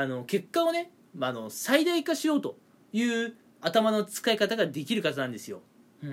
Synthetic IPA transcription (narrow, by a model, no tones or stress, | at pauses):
ano̞ke̞kːao̞ne̞ | mano̞said̪aikaɕiɾo̞ːt̪o̞ | jɯ̟ː | at̪amano̞t͡sɨ̥kaikat̪aɡad̪e̞kʲiɾɯ̟kat̪anãnd̪e̞sɨjo̞̰